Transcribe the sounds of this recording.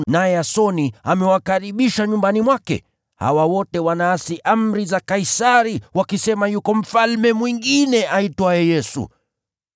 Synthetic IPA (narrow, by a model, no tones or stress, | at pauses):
najɛasɔniamɛwakaɾiɓiʃaɲumbanimwakɛ̰ | ha̰wawɔtɛwanaːsiʔam̩ɾizakaisaɾiwakisɛmajukɔm̩falmɛmwiŋɡinɛʔaitaɛjɛsṵ